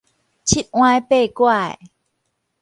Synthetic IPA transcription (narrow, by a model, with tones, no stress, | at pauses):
t͡ɕʰi˦˥t̪̚ŋw̃aː˧jpeː˧˩kwa˧˩j